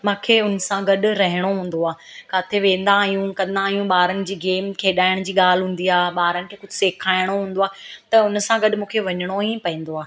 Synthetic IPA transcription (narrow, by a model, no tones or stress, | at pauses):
mãːkʰeːʊnsãɡɐɗʊɾɐɦɪɽ̃oɦũːn̆d̪oaː | kaːt̪ʰeʋẽːnd̪aːɦijũkɐ̃nd̪aːɦjũɓaːɾənɪ̆d͡ʑiːɡeːmkʰeːɗaːɪɽ̃d͡ʑiːɠaːl̤ɦũːn̆d̪iaːɓaːɾənɪ̆kʰeːkʊd͡ʑʱɪseːkʰaːɪɽ̃oɦũːn̆d̪oaːt̪ɐʊnsãɡɐɗmũːkʰeʋɐɲəɽ̃oĩpɐĩːnd̪oaː